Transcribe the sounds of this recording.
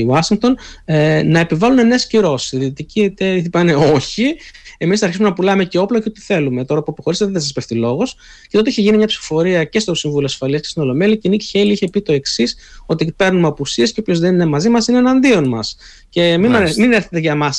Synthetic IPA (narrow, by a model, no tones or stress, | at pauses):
wɐsiŋk̚t̪o̞n | nɐe̞pivɐlunenesciɾo̞siðit̪iciet̪eθipɐne̞o̞çiemisnɐɾçisumenɐpulɐmece̞o̞ploceo̞t̪i̥θe̞lume̞t̪o̞ɾɐpuɐpoxo̞ɾist̪et̪θɐsɐspe̞fθilo̞ɣo̞s | cet̪ot̪eiçeʝinimɲɐpsi̥fo̥fo̞ɾiɐce̞st̪o̞siɱvuloɐsfɐliɐske̞sino̞lo̞meliɐcenicçeliiçe̞pit̪o̞e̞ksiso̞t̪ipe̞ɾnumɐpusie̞sceopço̞zðeninemɐzimɐsinenɐnd̪io̞nmɐs | ce̞mimineɾθet̪eʝɐmɐs